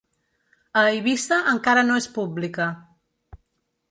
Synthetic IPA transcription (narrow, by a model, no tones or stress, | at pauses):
əiβ̞ist̪əʔəŋkaɾənoespublikə